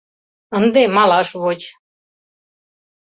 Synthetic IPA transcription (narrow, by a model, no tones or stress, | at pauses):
ənd̪emɑlɑʃβot͡ɕ